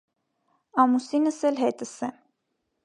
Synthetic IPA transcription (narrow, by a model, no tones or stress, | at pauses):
ɑmusinəsɛlɦɛt̪əsɛm